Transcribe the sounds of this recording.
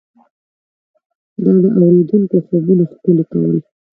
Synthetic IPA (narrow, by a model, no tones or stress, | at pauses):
d̪ɑd̪əʔawɾed̪uŋkoxabuloxpəlok̪a̰wi